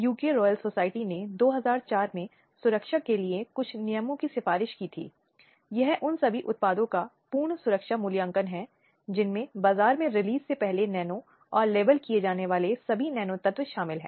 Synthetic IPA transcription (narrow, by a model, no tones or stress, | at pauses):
juːkeɾɔːjəlsoːsaːɪʈined̪oːɦɐzaːɾt͡ʃaːɾmẽ | sʊɾəkʃakeliekʊt͡ʃʰnɪjəmõkisɪfaːɾɪʃkit̪ʰḭː | jɐɦʔʊnsɐbʱiʔʊt̪̚paːd̪õkapuːɾɳsʊɾəkʃamʊljə̃ŋkənɦɛ | d͡ʒɪnmẽbaːzaːɾmẽɾɪliːzsepɛɦlenɛːnõ | ɔːɾleːbəlkied͡ʒaːneʋaːlesɐbʱinɛːnot̪ɐt̪wʃaːmɪlɦɛ̰̃ː